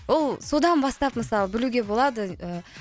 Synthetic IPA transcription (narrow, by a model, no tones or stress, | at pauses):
wo̞lˠso̞d̪ɑnbɑst̪ɑpməsɑlˠəbɪluɡʲe̞bo̞lˠɑd̪əə